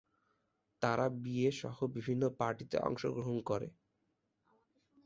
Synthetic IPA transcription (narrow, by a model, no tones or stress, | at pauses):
t̪aɾʔabieʃɔhobibʱinːopaɾʈit̪ḛʔɔ̰ŋʃoɡɾoɦonkɔɾḛ